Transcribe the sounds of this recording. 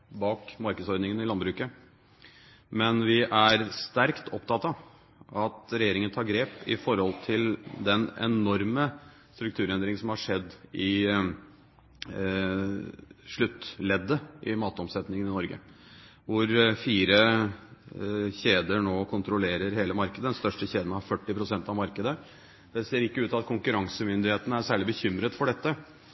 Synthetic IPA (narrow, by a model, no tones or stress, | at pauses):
bɑːkmɑɾkəsɔɾd̪nɪŋənɪlɑnbɾʉːkə | mɛnʋɪʔæɾst̪æɾkt̪ʰɔpt̪ʰɑt̪ːɑ | ʔɑt̪ɾɛjeːɾɪŋənt̪ʰɑːɾɡɾeːpɪfɔɾhɔlt̪ʰɪld̪ɛnɛ̰nɔɾmə | st̪ɾʉk̚t̪ʰʉːɾɛnd̪ɾɪŋəsɔmhɑʂɛd̪ːɪ | ʂɭʉt̪ːlɛd̪ːəʔɪmɑːt̪əɔmsɛt̪nɪŋənɪnɔɾɡə̰ | ʋʊɾfiːɾə | çeːd̪əɳoːkʰʊnt̪ɾʊleːɾəɾheːləmɑɾkəd̪əd̪ɛnst̪œʂʈəçeːd̪ənɑhɑfœʈːɪpʰɾʊsɛnt̪ɑʋmɑɾkəd̪ə | d̪̥ɛseːɾɪkːəʉːt̪ɑt̪̚kʰʊŋkʉɾɑŋsəmʏnd̪ɪheːt̪ənəæɾsæːɭɪbəçʏmɾət̪fɔɖɛt̪ːə